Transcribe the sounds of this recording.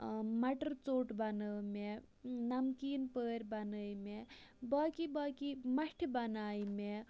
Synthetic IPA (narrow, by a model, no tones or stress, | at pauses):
mɐʈəɾt͡soːʈbɐnəme | nɐmkiːnpəːɾʲbɐnəːmebaːkibaːkimɐʂʈʰibɐnaːjme